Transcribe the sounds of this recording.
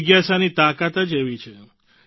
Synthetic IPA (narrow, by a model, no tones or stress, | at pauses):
ɡjasanit̪akat̪əd͡ʒeʋit͡ʃʰe